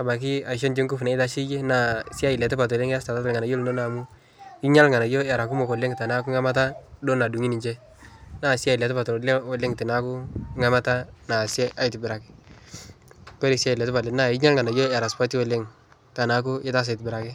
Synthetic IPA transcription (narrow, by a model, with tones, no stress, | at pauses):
a˨ba˨k̬ɪ˦a˨ʃ̬ɔ˦nd͡ʒi˦ŋkʊ˦fna˨˦ɪ˦ta˦ʃi˦je˦na˨sja˦jɪ˨lɛ˨te˦pa˨tɔ˨le˦ŋ˦a˦sta˨ta˦ta˨lŋa˨na˨jo˦lno˦na˨mu˦ | i˦ɲa˦lŋa˨na˨jo˦ɛ˨ɾa˨ku˦mo˨kɔ˨le˦ŋta˨na˦ku˦ŋa˦ma˦ta˦do˦na˨du˨ŋi˦ni˨t͡ʃɛ˦ | na˨sja˦˨ɪ˨lɛ˨tpa˨tɔ˨lɔ˨˦lɪ˦ŋtɪ˨na˦kʊ˦ŋa˦ma˦ta˦na˨sjɛ˦ʔa˦˨jtɪ˨bɪ˨ɾa˨kɪ̥˦ | pɛ˦ɾi˨sa˦jlɛ˨tɪ˦pa˨le˨na˨ɪ˦ɲa˦lŋa˨na˨jo˦˨a˨ɾa˨spa˦ti˦wɔ˨˦le˦ŋ | ta˨na˨k̬ʊ˦ɪ˦ta˦s̬a˨ɪ˨tbɪɾa˨kɪ˦